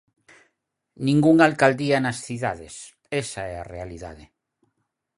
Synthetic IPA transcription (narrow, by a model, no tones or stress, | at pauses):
nĩŋɡuŋalkald̪ianasθiða̰ðes | esaɛa̰realiða̰ðe